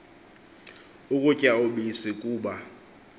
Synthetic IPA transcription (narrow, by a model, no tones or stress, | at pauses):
ukʼucʼaoɓisikʼuːɓa